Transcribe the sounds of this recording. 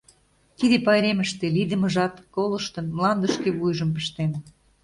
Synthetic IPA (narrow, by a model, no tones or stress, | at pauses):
t̪id̪epɑjɾeməʃt̪elid̪ə̆məʒɑt̪kolə̆ʃt̪ə̆nmlˠɑnd̪əʃkeβujʒəmpə̥ʃt̪en